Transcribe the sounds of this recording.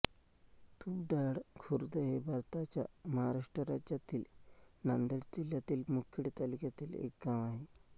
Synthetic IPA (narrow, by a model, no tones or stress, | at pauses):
kʰuːp̚ɖaɽkʰuɾd̪əɦebʱaɾt̪at͡ɕjaməɦaɾaʂʈɾəɾad͡ʑjat̪iːlnand̪əɽd͡ʑiljat̪iːlmukʰiɽt̪alikjat̪iːlḛk̚ɡãʋaɦe